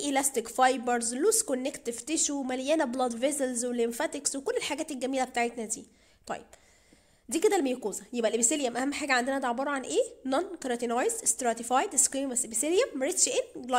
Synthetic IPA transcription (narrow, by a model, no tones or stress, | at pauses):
ʔilæst̪ekfɑjbeɾzluːskonːekt̪ːeft̪eʃumæljæːnæblɑd̪vezelzwelemfæt̪ekswekolːelħaɡæːt̪elɡæmiːlæbet̪aːʕet̪næd̪ḭː | t̪ˤɑ̰jːeb̥̚ | d̪iːked̪ælmejkoːzæjebʔælʔebiseljæmʔæhæmːħaːɡæʕand̪enæd̪ʕebɑːɾˤɑʕanʔeːnɑnkɑɾɑt̪inɑjzst̪ɾɑt̪ifɑjd̪eskɾiːmæsʔebiseljæmːæɾet̪ʃʔenl